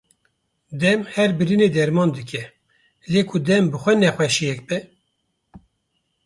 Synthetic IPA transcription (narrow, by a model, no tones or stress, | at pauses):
d̪ɛmhɛɾbɨɾɨneːd̪ɛɾmɑːnd̪ɨkʲʰɛ | leːkʰud̪ɛmbɨxʷɛnɛxʷɛʃijɛk̚bɛ